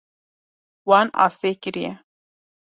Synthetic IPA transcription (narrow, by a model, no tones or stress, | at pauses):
wɑːnɑ̰ːst̪eːkɨɾijɛ